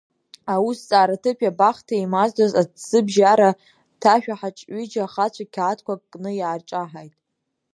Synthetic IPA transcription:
awust͡sʼaːɾatʰɨpʲʰʼjabaχtʰaimazdazadz̥ɨbʒaɾa | tʰaʃᶣaħat͡ʃʼɥid͡ʒaχat͡ɕʷʰakʲʰatʰkʷʰakʼkʼnɨjaːrt͡ʃʼaħajtʼ

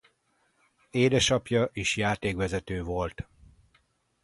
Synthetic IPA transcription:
eːd̪ɛʃɒpjɒʔiʃjaːt̪eːkʋɛzɛt̪øːvo̞lt̪

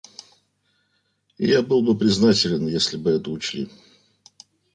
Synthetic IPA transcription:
ɪ̰jabɨlˠbɨpɾʲɪznatʲɪlʲɪnjesʲlʲɪbɨɛt̪əʊt͡ɕlʲḭ

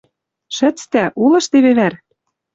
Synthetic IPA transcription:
ʃɘ̆t͡st̪æʔulɤ̆ʃt̪eβeβæɾ

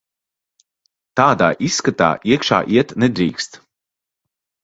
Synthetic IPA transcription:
t̪aːd̪aːʔisːkat̪a̰ːʔiɛkʃa̰ːʔiɛt̪nɛd̪ɾḭːkst̪

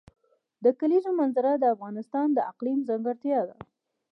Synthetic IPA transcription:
d̪əkaliʒomanzaɾad̪əafɣɑnɪst̪ɑnd̪əaqlimzaŋɡaɾt̪jɑd̪a̰

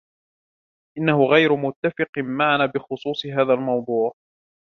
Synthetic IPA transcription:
ʔɪnːahʊɣajɾʊmʊt̪ːafɪqmaʕanaːbɪxʊsˤuːsˤɨɦaːðalmɑwd̪ˤuːʕ

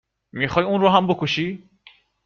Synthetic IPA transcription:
mixɒːjunrɔːɦambokʰoʃiː

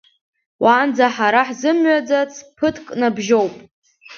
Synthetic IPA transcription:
wʔaːnd͡zaħaɾaħzɨmɥad͡zat͡sʰʼpʰɨtʰkʼnabʒowpʼ

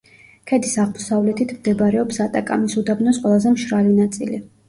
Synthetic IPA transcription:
kʰɛd̪isaʁmɔsavlɛt̪ʰit̪ʰmd̪ɛbɾɛɔpsat̪ʼakʼa̰misud̪abnɔsqʼwɛlˠazɛmʃɾalinat̪sʼḭli

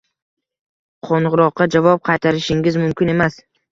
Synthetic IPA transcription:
qʰoɴʁʊɾɒqːɑd͡ʒavɒp̚qʰɑjt̪ʰaɾɪʃɪŋɪzmʊmkʲɪne̞mas

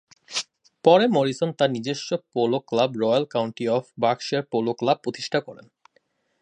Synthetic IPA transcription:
pɔɾemoɾisont̪anid͡ʑeʃːopoloklabɾɔjalkawɳʈiɔfbakʃieɾpoloklab̚pːɾot̪i̥ʃʈʰakɔɾḛn

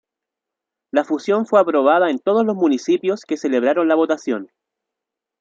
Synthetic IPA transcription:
lafusjo̞ɱfweapɾo̞βaðaent̪o̞ð̞ozlosmunisipjo̞ske̞se̞leβ̞ɾaɾonlaβ̞o̞t̪asjo̞n

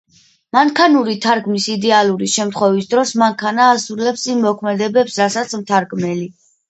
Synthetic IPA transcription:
maŋkʰanuɾit̪ʰaɾɡmisid̪ɛalˠuɾiʃɛmt̪ʰχwɛvisd̪ɾɔsmaŋkʰanaːsuɾlɛpsimːɔkʰmɛd̪ɛbɛpsɾasat̪sʰmt̪ʰaɾɡmɛli

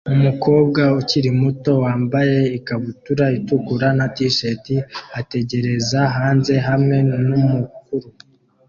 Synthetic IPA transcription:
umuko̞ːb̚ɡauciɾimuto̞waːmbaje̞ikaβutuɾaitukuɾanatiʃetiate̞ɟe̞ɾe̞zaɦaːnze̞ɦamŋe̞nnumukuɾu

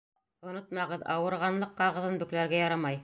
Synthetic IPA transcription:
ŏnot̪mɑʁɤðɑwɤ̆ɾʁɑnlˠɤqːɑʁɤ̆ðɤnbɵ̆klæɾɡæjɑɾɑmɑj

